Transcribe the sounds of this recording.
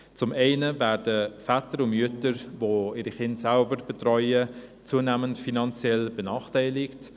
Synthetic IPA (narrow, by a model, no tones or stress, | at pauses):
t͡sʊmɛɪnəvæːrdəfɛtəɾʊnmyətəɾvoːɪɾiχɪntsalbəɾb̥ətrɔʏət͡suːənæməntfinɑnt͡sjɛlb̥ənɑːχtɛɪlɪkt